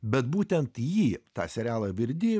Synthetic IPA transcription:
bʲɛt̪buːt̪ʲɛnt̪jiːt̪ɑ̰ːsʲɛɾʲæːlˠɐʋʲɪɾʲd̪ʲɪ

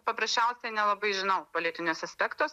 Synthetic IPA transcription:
pɐpɾɐsʲt͡ʃʲɛʊsʲɛnʲɛlˠɐbɐɪʒʲɪnɐʊpolʲɪt̪ʲɪnʲoːsɐsʲpʲɛkt̪oːs

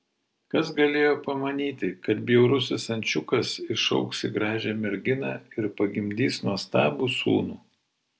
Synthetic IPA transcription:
kɐsɡɐlʲeːjoːpɐmɐnʲiːt̪ʲɪkɐt̪bʲɪjɛʊɾʊsʲɪsɐnʲt͡ʃʲʊkɐsɪʃɐ̰ʊksʲɪɡɾɑːʒʲɛːmʲɛɾʲɡʲɪnɑ̰ːɪɾpɐɡʲɪmʲd̪ʲiːsnuɔst̪ɑːbuːsṵːnuː

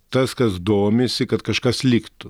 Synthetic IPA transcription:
t̪ɐskɐsd̪oːmʲesʲɪkɐt̪kɐʃkɐslʲikt̪ʊ

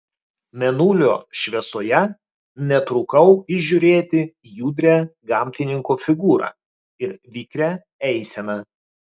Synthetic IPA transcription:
mʲɛnuːlʲo̰ːʃʲʋʲɛsoːjɛ | nʲɛt̪ɾʊkɐʊɪʒʲuːɾʲeːt̪ʲɪ | juːd̪ʲɾʲæɡɑːˑmʲt̪ʲɪnʲɪŋkoːfʲɪɡuːɾɑ̰ː | ɪɾʋʲiːkɾʲæ | ɛɪsʲɛnɐ

